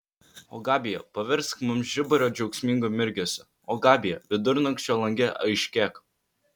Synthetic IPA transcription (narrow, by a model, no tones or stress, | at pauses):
o̰ːɡɑːbʲɪjɛpɐʋʲɛɾskmʊmʒʲɪbɐɾʲoːd͡ʒʲɛʊksʲmʲɪŋɡomʲɪɾʲɡʲoːsʲɛ | oːɡɑːbʲɪjɛʋʲɪd̪ʊɾnɐŋksʲt͡ʃʲoːlˠɐŋʲɡʲɛʔɐɪʃʲkʲɛːk